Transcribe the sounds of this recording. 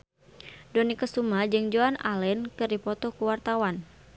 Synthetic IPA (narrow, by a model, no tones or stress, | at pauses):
dɔnikəsumad͡ʒɨŋd͡ʒoana̰lɛnkɨrdipɔt̪ɔkuwart̪awan